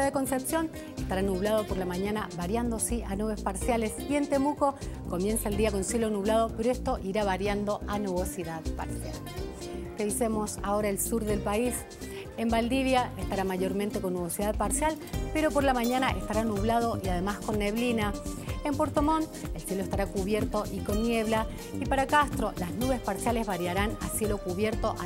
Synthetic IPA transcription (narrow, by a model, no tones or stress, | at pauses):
aðeko̞nse̞psjo̞n | est̪aɾanuβlað̞o̞po̞ɾlamaɲanaβaɾjand̪o̞siʔanuβ̞e̞spaɾsjale̞sie̞nt̪e̞muko̞ko̞mje̞nsaeld̪iako̞nsje̞lonuβlað̞o̞peɾoest̪o̞ʔiɾaβaɾjand̪o̞ʔanuβo̞siðaðpa̰ɾsja̰l | reisemo̞sao̞ɾaelsuɾðe̞lpais | e̞mbald̪iβjaest̪aɾamaʝo̞ɾment̪eko̞nːuβo̞siðaðpaɾsjal | pe̞ɾo̞po̞ɾlamaɲanaʔest̪aɾanuβ̞lað̞o̞ʔiaðe̞maskonːeβlinae̞mpo̞ɾt̪o̞mo̞nelsje̞loest̪aɾakuβje̞ɾt̪o̞ʔiko̞nːje̞βla | ipaɾakast̪ɾo̞laznuβe̞spaɾsjale̞zβaɾjaɾana̰sje̞lo̞kuβje̞ɾt̪o̞ʔa